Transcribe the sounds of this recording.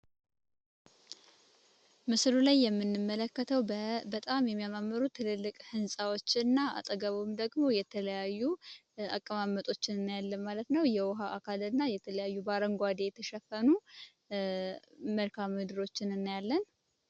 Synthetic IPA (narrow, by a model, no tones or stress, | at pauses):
mɨslulajːɛmːɨnːɨmːələkːət̪ʰəwbət̪ʼamjɛmːijamamːəɾut̪ʰːɨlɨlːɨkʼhɨnsʼawo̞t͡ʃːɪnːaa̰t̪ʼəɡəβomd̪əɡmo̞jɛt̪ʰələjajːu | a̰kʼːəmamːət̪ʼo̞t͡ʃːɪnɨnːjalːənmalət̪nəwjɛwʊɦaʔakʰalɨnːajɛt̪ʰələjajːubaɾəŋɡʷad̪ejɛt̪ʰəʃɛfənu | məlkʰammɨd̪ɨɾo̞t͡ʃːɪnɨnːjalːən